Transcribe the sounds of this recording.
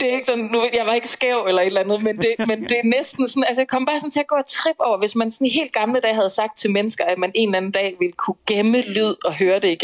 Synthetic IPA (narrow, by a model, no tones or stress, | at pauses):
d̥e̝æe̝ɡ̥ə̥sɒ̽nːujɑ̈ɪʋɑ̈e̝ɡ̥əsɡ̥ɛʊelɐe̝d̥lænð̩ˠmend̥e̝mend̥e̝ænesd̥n̩sɔ̽næls̬ə̥je̥kʰɒ̽m̰b̥ɑ̈ːsɒ̽n̩t͡sʰe̝æɡ̥ɔ̰ːæt͡sʰʁib̥ɒʊ̰ɐʋe̝smænsɒ̽niɦe̝̰ːld̥̚ɡ̥ɑ̈mləd̥ɛ̰ːhæð̞ˠsɑ̈ɡ̥̚d̥̚t͡sʰe̝lmenəsɡ̥ɐæ̥mæne̝ːnæn̩d̥ɛ̰ːʋe̝lkʰuɡ̥eməlyð̞̰ˠɒ̽ɦøːɐd̥e̝iɡ̥